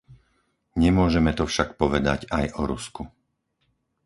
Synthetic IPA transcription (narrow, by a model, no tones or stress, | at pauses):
ɲɛmʊɔʒɛmɛt̪ɔfʃakpɔʋɛd̪a̰ɟajɔɾṵsku